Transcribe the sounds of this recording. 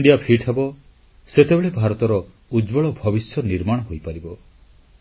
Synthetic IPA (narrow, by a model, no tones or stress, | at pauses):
ɳɖijapʰiʈʰebɔ | set̪ebeɭebʱaɾɔt̪ɔɾɔ | ud͡ʒbɔɭɔbʱɔbisjɔniɾmaɽ̃ɔɦojpaɾibɔ